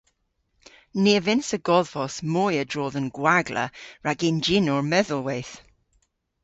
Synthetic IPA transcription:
neːvɪnsəɡɔðvɔsmɔjədɹoːðənɡ̥waɡlə̰ɹaɡɪnd͡ʒɪnɔɹmɛðʊlˠwejθ

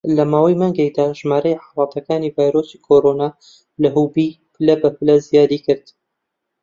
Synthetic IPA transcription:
lɐmaːwajmaːŋɡekd̪aːʒmaːɾɐjħalɑːt̪ʰɐkaːniːvaːjɾoːsikʰoɾoːnaː | lɐɦubiː | pʰɨlɐbɐpɨlɐzijaːd̪iːkɨɾd̪

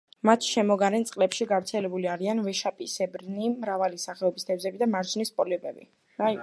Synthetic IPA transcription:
mat̪ʰʃɛmɔɡaɾɛnt̪sʼqʼlɛpʃiɡavɾt̪sʰɛlɛbuliaɾianvɛʃapʼisɛbɾnimɾavalisaχɛɔbist̪ʰɛvzɛbid̪amaɾd͡ʒnispʼɔliɔbɛbḭ | a

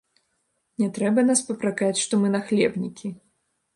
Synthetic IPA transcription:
nʲɛt̪ɾɛbɐnaspɐpɾakat͡sʲʂt̪ɔmɨnɐxlʲɛbnʲikʲi

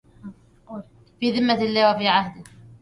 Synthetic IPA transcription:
fiːðɪmːat̪ɪlːaːwafiːʕahd̪ɪ

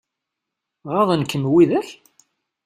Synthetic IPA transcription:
ʁɑðˤənkːəmwiðæç

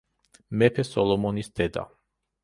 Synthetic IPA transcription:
mɛpʰɛsɔlɔmɔnisd̪̥ɛd̪a̰

